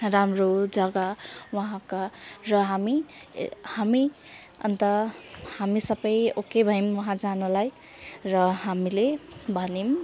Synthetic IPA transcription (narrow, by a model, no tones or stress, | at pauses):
ramɾod͡zʌɡawʌɦãkarʌɦami | hami | ʌ̰nt̪ʌhamisʌbʌjokebʱʌjmwʌɦãd͡zanulaj | rʌɦamilebʱʌnim